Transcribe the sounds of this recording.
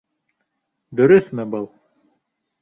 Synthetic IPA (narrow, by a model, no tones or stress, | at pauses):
d̪ɵ̆ɾɵsmɘbɤlˠ